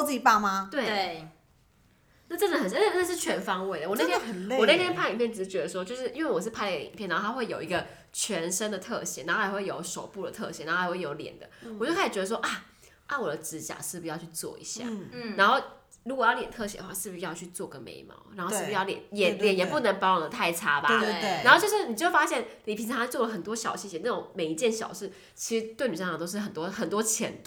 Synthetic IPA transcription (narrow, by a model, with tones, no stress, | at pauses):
t͡s̩˥˩t͡ɕi˨˩pa˥˩ma˧t̪we˥˩ɪe˥˩ | na˥˧˩ʈ͡ʂə˥nd̪ə˨˩xə˨˩nə˥n˥na˥˧ʂɻ̩˥˩t͡ɕʰɥɛ˧˦˥nfɑ˥ŋwe˥˩ɪd̪ə˨wɔ˨na˥˧t̪ʰjwɔ˨˩ne˥˩t̪ʰjɛ˥npʰa˥˩˨i˨˩pjn˩ʈ͡ʂ̩˥˩t͡ɕɥɛ˧˥d̪ə˧˩ʂwɔ˥t͡ɕjo˥˧ʊʂɻ̩˥˩ʔi˥nwe˥˩ɪwɔ˨˩ʂ̬ɻ̩˥˧pʰa˥˩ɪdəɡə˨ḭ˨˩ŋpʰjɛ˥˨nːa˧˦xʰa˥xwe˥˩ɪjo˨˩ʊi˧˥ɡə˧ | t͡ɕʰɥɛ˧˥nʂə˥ŋd̪ə˨t̪ʰɤ̰˥˧˩ɕjɛ̰˨˩na˧˥˩a˧˥xwe˥˩jo˧˥ʊʂo˨˩ʊpu˥˩d̪ə̰˨˩t̪ʰɤ̰˥˧ɕjɛ̰˨˥na˧˥˩we˥˩jo˧˥ʊljɛ̰˨˩nd̪ə˦wɔ˨t͡ɕjo˥˩ka˥˩i˨˩t͡ɕɥɛ˧˥d̪ə˧ʂwɔ˥ʔa˥˩ | a˥˩wɔ˨˩d̪ə˦ʈ͡ʂɻ̩˧˥t͡ɕja̰˨˩ʂɻ̩˥˩bu˩jɑ˥˧t͡ɕʰy˥˧t͡swɔ̰˥˩ḭ˧˥ɕja̰˥˩na˧˥nxo˥˩ʊ | ɻu˧˥kɔ˨˩jɑ˥˩ʊljɛ˨˩nt̪ʰɤ˥˩ɕɛ˨˩də˦˩xwa˥˧˩ʂɻ̩˥˩u˩˧jɑ˥˧ʊt͡ɕʰy˥˧t͡swɔ˥˩ɡə˦nmḛ˧˥ɪmɑ̰˧˩˦ʊna˧˥nxo˥˧ʂ̩˥bu˧jɑ˥˧ʊljɛ˨˩˦njɛ˨˩ljɛ˨˦njɛ˨˩pu˥˩nə˧˥ŋpɑ˥wɔ˨˩d̪ə˦t̪ʰa˥˩ɪʈ͡ʂʰa˥ba˦na˧˥xo˥˧t͡ɕjʂɻ̩˥˩ni˨˩t͡ɕo˥˩ʊfa˥ɕjɛ˥˩nli˨˩pʰi˧˥nt͡sʰɑ˧˥ŋa˥t͡swɔ˥˩lə˩xə˨˩nt̪wɔ˥ɕjɑ˨˩ʊɕi˥˩ɕjɛ˧˥n˥˩ʈ͡ʂo˨˩ŋme˨˩ɪi˧˥t͡ɕjɛ˥˩nɕjɑ̰˨˩ʊʂɻ̩˥˩ | t͡ɕʰi̥˧˥ʂɻ̩˧˥t̪we˥˩ɪny˨˩ʂɑ˥ŋɑ˨˩t̪ʊʂɻ̩˥˩xə˨˩nt̪wɔ˥xə˨˩nt̪wɔ˥t͡ɕʰjɛ̰˧˥nt̪